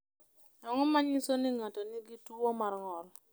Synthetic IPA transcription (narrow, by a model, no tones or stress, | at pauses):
aŋɔmaɲɪsonɪŋatɔnɪɡituomarŋɔl